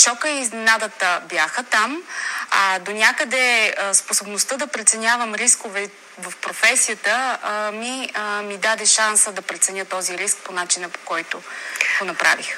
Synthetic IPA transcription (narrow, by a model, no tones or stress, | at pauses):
ʃɔkəiːznɛnad̪ət̪əbjaxət̪amɐd̪onʲakəd̪ɛsposobnost̪əd̪ɐpɾɛt̪sɛnʲavəmɾiskovɛ | vɐfpɾofɛsijət̪əmiəmid̪ad̪ɛʃansəd̪ɐpɾɛt̪sɛnʲjət̪ɔziɾisk̚ponat͡ʃinəpo̥kɔjt̪oɡ̥onɐpɾa̰vix